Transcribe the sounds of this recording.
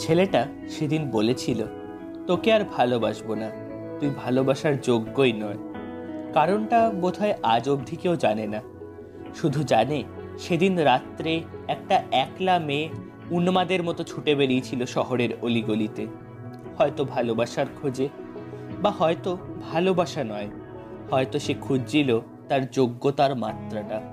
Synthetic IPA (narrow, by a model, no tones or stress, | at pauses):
t͡ɕʰeleʈa | ʃed̪inbolet͡ɕʰilo | t̪okeaɾbʱalobaʃbona | t̪ujbʱalobaʃaɾd͡ʑoɡːojnɔekaɾonʈabod̪ʱaeʔad͡ʑobd̪ʱikeod͡ʑanena | ʃud̪ʱud͡ʑane | ʃed̪inɾat̪ːɾeɛk̚ʈaɛklame | unmad̪eɾmɔt̪ot͡ɕʰuʈebeɾiet͡ɕʰiloʃɔɦoɾeɾoliɡolit̪e | hɔet̪obʱalobaʃaɾkʰod͡ʑe | bahɔet̪obʱalobaʃanɔe | hɔet̪oʃekʰud͡ʑd͡ʑilo | t̪aɾd͡ʑoɡːot̪aɾmat̪ːɾaʈa